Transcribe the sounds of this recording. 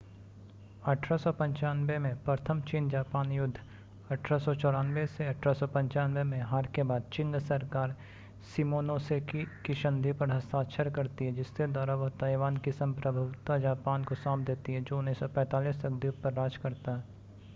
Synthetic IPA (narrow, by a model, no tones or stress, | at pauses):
ɐʈʰɾasɔpɐ̃ɲt͡ʃaːnʋemẽpɾət̪ʰəmt͡ʃiːnd͡ʒaːpaːnjʊd̪ʱː | ɐʈʰɾasɔt͡ʃɔːɽaːnʋeseɐʈʰɾasɔpɐ̃ɲt͡ʃaːnʋemẽɦaːɾkebaːd̪̚t͡ʃɪ̃ŋɡsɐɾkaːɾ | simoːnoːsekikiʃɐ̃nd̪ʱipɐɾɦɐst̪aːʃʰəɾkɐɾt̪iɦɛd͡ʒɪsked̪aːɾaʋəɦt̪aːɪʋaːnkisɐmpɾəbʱəʋt̪ad͡ʒaːpaːnkosãːpd̪eːt̪iɦɛd͡ʒoːnẽsɔpɛ̃ːt̪aːliːsɐɡd̪ʱipɐɾːaːd͡ʒkɐɾt̪aɦɛː